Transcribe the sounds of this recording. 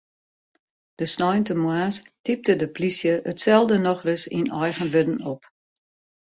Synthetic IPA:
d̥əsnɔjntəmwaːstip̚tədəplisjəʔətsɛlˠdənɔxrəsḭnɔjɣənʋɪdn̩ɔp

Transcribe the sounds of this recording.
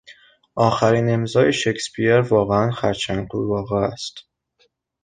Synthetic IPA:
ʔɒːxæɾiːne̞mzɒːjeʃekʰspʰieɾvɒːɣeænxæɾt͡ʃʰænquvɒːɣeæst̪

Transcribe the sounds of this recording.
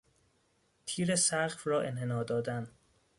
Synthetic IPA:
t̪ʰiːɾesæɢfrɒːʔenɦe̞nɒːd̪ɒːd̪æn

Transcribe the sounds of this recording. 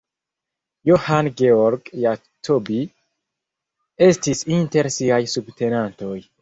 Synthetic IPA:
johanɡeoɾɡja | tʰobi | e̞stisinte̞ɾsiajsubte̞nanto̞j

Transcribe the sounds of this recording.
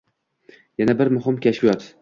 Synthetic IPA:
janabɪɾmʊɦɪmkʲʰaʃfijɒt̪

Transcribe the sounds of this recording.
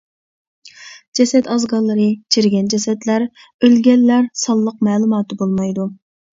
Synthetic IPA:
d͡ʒɛsɛt̪ɑzɡɑlˠːəɾɨt͡ʃʰiɾɡʲɛnd͡ʒɛsɛt̪læɾ | ølɡʲɛlːæɾsɑlˠːəq̚mɛːlˠumɑːt̪ɨbolˠmɑjd̪u

